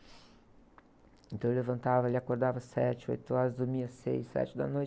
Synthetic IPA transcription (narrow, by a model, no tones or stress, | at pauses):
ẽnt̪ɐ̃w̃elevɐ̃nt̪avɐelɪakoɾd̪avɐsɛt͡ʃɪo̰jt̪ʊɔɾɐzd̪uɾmĩɐsḛjsːɛ̰t͡ʃɪd̪ɐ̰noj